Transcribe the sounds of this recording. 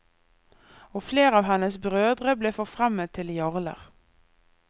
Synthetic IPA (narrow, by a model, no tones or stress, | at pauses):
ɔfleːɾɑːʋɦɛnːəsbɾøːd̪ʁəbleːfɔfɾamːet̪ʰːɪljɔʁlə̰ʁ